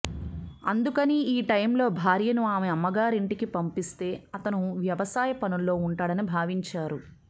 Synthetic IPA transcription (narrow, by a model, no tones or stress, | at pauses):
ɐnd̪ukɐniiːʈɐjmlo̞ːbʱaːɾjɐnuaːmeɐmːɐɡaːɾiɳʈikipɐmpist̪e̞ːɐt̪ɐnuʋjɐʋɐsaːjɐpɐnulːo̞ːuɳʈaːɽɐnibʱaːʋiɲt͡ʃaːɾu